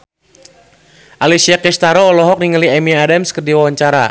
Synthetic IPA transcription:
ʔalisiakɛst̪aɾɔːlɔɦɔk̚niŋaliɛmiaadamskərdiwawaɲt͡ʃaɾa̰

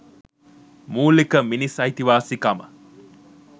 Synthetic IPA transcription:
muːlikəminisɐjt̪iʋaːsikamə̰

